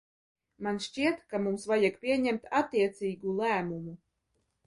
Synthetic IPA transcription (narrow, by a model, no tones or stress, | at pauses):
manʃt͡ʃiɛt̪kamumsvajakpʲiɛɲɛmt̪at̪ːiɛt̪siːɡulˠæːmumu